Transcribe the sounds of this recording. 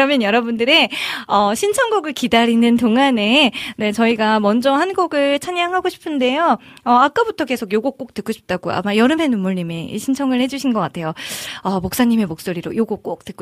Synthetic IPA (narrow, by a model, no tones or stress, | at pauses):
ɾʌmjʌnjʌɾʌbundɯɾe̞ʌɕʰint͡ɕʰʌŋɡoɡɯɭkidaɾinɯntoŋane̞ne̞t͡ɕʌiɡamʌnd͡ʑʌhanɡoɡɯɭt͡ɕʰaɲaŋɦaɡoɕʰi̥pʰɯnde̞joʌak͈abutʰʌke̞sʰoɡjoɡok͈̚ok̚t͈ɯk͈ʰːoɕʰi̥p̚t͈aɡoa̰majʌɾɯmɦe̞numːuɭɲimḛɕʰint͡ɕʰʌŋɯɭhe̞d͡ʑuɕʰinɡʌk͈atʰe̞joʌmok̚s͈aɲːime̞mok̚s͈oɾiɾo̰joɡok̚k͈ok̚t͈ɯko